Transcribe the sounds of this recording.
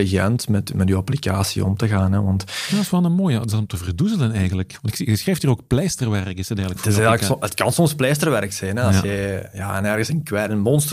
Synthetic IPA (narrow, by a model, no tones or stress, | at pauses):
iɣɛ̰ntmɛtmɛtyːɑplikaːsḭɔ̰mtəɣaːnɦɛʋɑntjadsfɛlˠnəmoːjətɪzdɑtɔmtəvərduzələnɛjɣənləkʋɑntɪkssxreːjftiːroːkplɛːstərʋɛrkɪsətɛːɣələkfɪɛəkətkɑnsɔmsplɛːstərʋɛɾksɛjnɛɑsjɛjaːɛnɛrɣəsənkwɛːtənmɔnstə